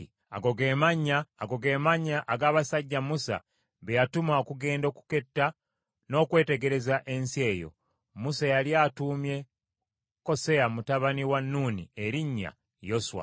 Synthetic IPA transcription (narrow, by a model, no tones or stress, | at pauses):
a̰ɡo̞ɡeːmaɲːaːɡo̞ɡe̞ːmaɲːaʔaɡaːβasaɟːamusa̰ | βejatumaokuɡe̞ːndo̞ːku̥ke̞tːa | no̞ːkwe̞ːte̞ɡe̞ɾe̞zaʔe̞nsie̞ːjo̞̰ | musajaljatuːmje̞ | ko̞se̞jamutaβaniwanːuːnḭeɾiɲːa̰ | jo̞swa̰